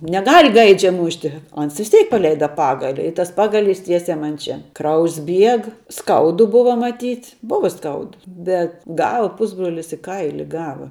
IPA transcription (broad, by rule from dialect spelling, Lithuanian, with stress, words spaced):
nʲɛˈɡɐlʲ ˈɡɐɪd͡ʒʲɛ ˈmʊʃʲtʲɪ oː ˈɐns ʋʲɪs ˈtʲɛɪk pɐˈlʲɛɪdɐ ˈpɑːɡɐlʲɪ ɪ ˈtɐs ˈpɑːɡɐˌlʲiːs ˈtʲiɛsʲɛɪ ˈmɐn ˈt͡ʃʲɛ ˈkrɐʊjs ˈbʲiɛk ˈskɐʊdʊ ˈbʊʋoː mɐˈtʲiːtʲ ˈbʊʋɐ ˈskɐʊdʊ ˈbʲɛt ˈɡɐlˠ ˈpʊzbroːlʲɪs ɪ ˈkɐɪlʲɪ ˈɡɑːʋɐ